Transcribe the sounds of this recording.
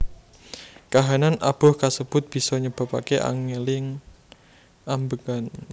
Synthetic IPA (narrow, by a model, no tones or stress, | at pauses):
kaɦananʔab̥ɔ̤hkasəb̥ʊ̤t̪̚b̥i̤sɔɲəb̥a̤pakeʔa̰ŋelɪŋ | ambəkan